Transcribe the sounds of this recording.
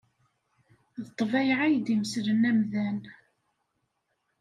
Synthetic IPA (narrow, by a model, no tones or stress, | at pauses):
ðət̪ˤːvæjʕajd̪iməsɾənæmðæn